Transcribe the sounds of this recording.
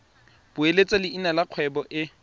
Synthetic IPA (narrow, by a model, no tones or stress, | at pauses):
b̥ʊelet͡sʼalɪinalaq͡χʰwɛbɔʔɪ